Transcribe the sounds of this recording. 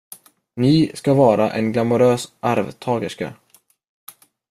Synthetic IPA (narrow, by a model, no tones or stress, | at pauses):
nɪskavɑːɾaʔɛnɡlamʊɾøːsʔaɾvt̪ʰɑːɡəʂka̰